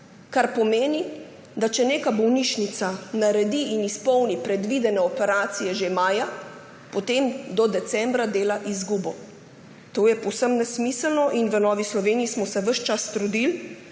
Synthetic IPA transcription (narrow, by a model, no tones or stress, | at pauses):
kaɾpɔmeːni | d̪at͡ʃɛneːkabɔwniʃnit̪sanaɾɛd̪iːnispɔwnipɾɛd̪ʋid̪ɛnɛɔpɛɾaːt̪sijɛʒemaːja | pɔt̪emd̪ɔd̪ɛt̪sɛmbɾad̪eːlaʔizɡuːbɔ | t̪oːjɛpɔwsəmnɛsmisəlnɔʔinʋənɔːʋislɔʋeːnijismɔsɛʋəʃt͡ʃast̪ɾud̪il